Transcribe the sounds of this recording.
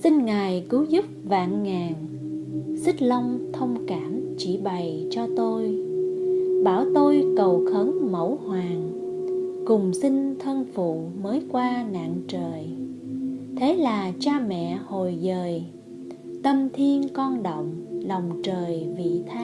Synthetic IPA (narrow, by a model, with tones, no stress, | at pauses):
si˧ŋŋaː˨˩jkɨ˨˦zu˦˥p̚va̰ː˧˨nŋaː˨˩ŋ | sï̟˦˥lə˧wŋ͡mt̪ʰə˧wŋ͡mkaː˧˩mt͡ɕi˧˩ɓa˨˩jt͡ɕɔ˧t̪o˧j | ɓaː˧˩wt̪o˧jkə˨˩wxʰə˨˦nmə̰˧˩whwaː˨˩ŋ | kʊ˨˩ŋ͡msi˧ŋ̟t̪ʰə˧nfṵ˧˨məː˨˦jkwaː˧na̰ː˧˨nt͡ɕəː˨˩j | t̪ʰe˨˦laː˨˩t͡ɕaː˧mɛ̰˧˨ho˨˩jzəː˨˩j | t̪ə˧mt̪ʰi˧ənkɔ˧nɗə̰˧˨wŋ͡mlɔ˨˩wŋ͡mt͡ɕəː˨˩jvḭ˧˨t̪ʰa˦˧˦